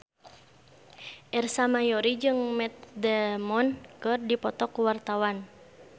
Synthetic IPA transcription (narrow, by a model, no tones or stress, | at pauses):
ʔɛrsamajɔɾid͡ʒɨŋmɛt̪̚dɛmɔnkɨrdipɔt̪ɔkuwart̪awan